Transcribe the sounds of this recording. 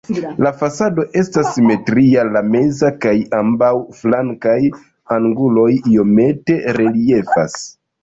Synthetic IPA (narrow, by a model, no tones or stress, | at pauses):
lafasado̞ʔe̞stasːime̞tɾialame̞zakajambawflaŋkaj | aŋɡulo̞jio̞me̞te̞ɾe̞lie̞fa̰s